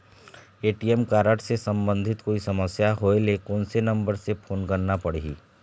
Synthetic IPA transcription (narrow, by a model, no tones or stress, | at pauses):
eːʈiɛmkaːɾəʈsesə̃mbə̃nd̪ʱɪt̪koːisɐməsjaɦoːelekoːnsenɐ̃mbəɾsepʰoːnkəɾnapɐɽiḭː